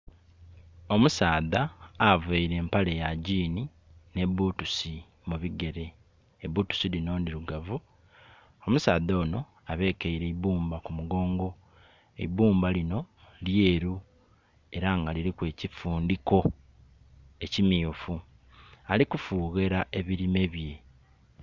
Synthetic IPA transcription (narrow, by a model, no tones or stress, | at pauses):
o̞musaːðaːveiɾe̞ːmpalejaɟiːni | ne̞βuːtusi | muβiɡe̞ɾe̞ː | βuːtu̥silino̞ːndiɾuɡavu | o̞musaːðo̞ːno̞ | aβe̞ːkeiɾe̞iβuːmbakumuɡo̞ːŋɡo̞ | ḛiβuːmbalino̞ | lje̞ːɾu | e̞ɾaŋɡaliɾikwe̞ːcifuːndiko̞ | e̞cimiufu | alikufuːɣe̞ɾae̞βiɾime̞βje̞